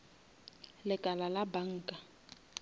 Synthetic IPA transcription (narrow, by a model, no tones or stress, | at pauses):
lɪkʼalalabaŋ̩ːkʼa